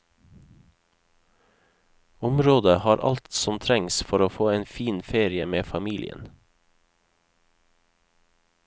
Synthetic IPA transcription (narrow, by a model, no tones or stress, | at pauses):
ʊmɾoːd̪əhɑːɾʔɑ̰lt̪sɔmt̪ʰɾɛŋsfɔɾoːfoːeːnfiːnfeːɾɪəmeːfɑmiːlʔɪ̰ə̰n